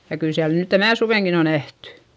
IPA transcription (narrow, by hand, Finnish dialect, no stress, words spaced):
jɑ kyl siæl nyˑ tænæˑ suʋeˑŋkin o næhtẙ